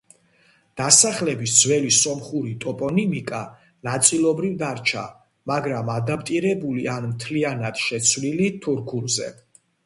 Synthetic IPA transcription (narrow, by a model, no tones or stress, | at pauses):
d̪̥asaχlɛbisd̪zwɛlisɔmχuɾit̪ʼɔpʼɔnimikʼa | nat̪sʼilˠɔbɾivd̪aɾt͡ʃʰa̰ | maɡɾamad̪apʰt̪ʼiɾɛbulianmt̪ʰlianad̪̥ʃɛt̪sʰvlilit̪ʰuɾkʰuɾzɛ̰